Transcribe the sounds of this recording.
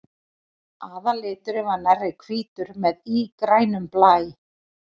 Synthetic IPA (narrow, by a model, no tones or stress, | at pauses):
aːðalɪːt̪ʏɾɪvanarɪkʰviːt̪ʏɾmɛðikɾaːjnʏmplaːjɪ